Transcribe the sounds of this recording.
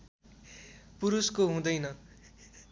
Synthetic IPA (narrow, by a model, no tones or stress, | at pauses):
puɾuskoɦũd̪ʌjnʌ